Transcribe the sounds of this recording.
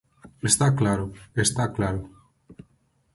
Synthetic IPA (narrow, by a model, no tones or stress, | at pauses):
est̪aklaɾʊest̪aklaɾʊ